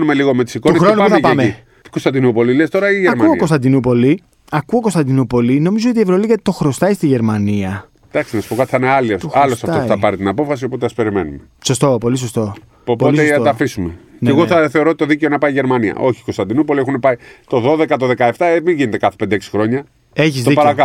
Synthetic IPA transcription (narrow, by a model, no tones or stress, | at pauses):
numeliɣo̞met̪i̥sikounesxɾonnpθɐpɐemei | kost̪ɐnd̪inupo̞lilest̪o̞ɾɐiʝeɐɾmkmɐokost̪ɐnd̪inupo̞li | ɐkuokost̪ɐnd̪inupo̞lino̞mizoot̪ie̞vɾoliɣɐt̪i̥t̪o̞xɾo̞st̪ɐist̪iʝe̞ɾmɐniɐ | d̪ɐksinɐsu̥po̞kɐt̪i̥θɐneɐlieɐlosɐtoft̪ɐpɐɾit̪inɐpo̞fɐsio̞po̞t̪̬eɐspe̞ɾimḛnumeso̞st̪o̞po̞lis̬ost̪o̞ | popotisesoɐfisumeneɣoθɐθe̞o̞ɾot̪it̪oðiceo̞nɐpɐiʝeɾmɐniɐ̰ʔo̞çiko̞st̪ɐnd̪inupo̞liexunepɐit̪o̞ðo̞ðe̞kɐt̪oðe̞kɐeft̪ɐemiɲʝinet̪ekɐθe̥ped̪eeksi̥xɾo̞ɲɐ | eçizðoiɐɾɐkɐ